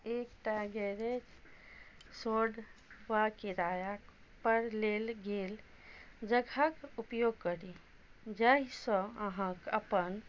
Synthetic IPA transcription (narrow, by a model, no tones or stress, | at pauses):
ekʈaɡeɾet͡ʃ | soɖʋakiɾajak | pəɾlelɡel | d͡ʒəɡʱakupjoɡ̚kəɾi | d͡ʒaisə̃əɦãkəpən